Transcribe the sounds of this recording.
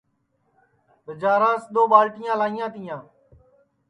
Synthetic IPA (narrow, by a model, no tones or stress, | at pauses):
təd͡ʒaːɾãːsɗ̪oːɓaːlʈɪjãːlãːɪjãːt̪ɪjãː